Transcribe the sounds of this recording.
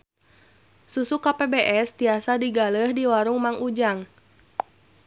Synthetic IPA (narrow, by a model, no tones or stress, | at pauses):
susukapebeʔɛst̪iasadiɡaləhdiwaɾuŋmaŋud͡ʒaŋ